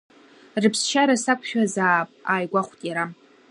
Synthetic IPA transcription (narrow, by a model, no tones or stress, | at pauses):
rɨpʰst͡ʃʰaɾasakʷʰʼʃᶣazaːpʼaːjɡʷaχʷtʼjaɾa